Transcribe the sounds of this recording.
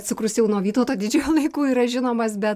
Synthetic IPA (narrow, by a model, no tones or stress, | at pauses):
t̪sʲʊkɾʊsjɛʊnuɔʋʲiːt̪oːt̪oːd̪ʲɪd͡ʒʲuːjulˠɐɪkuːiːɾɐʒʲɪnoːmɐsbʲɛt̪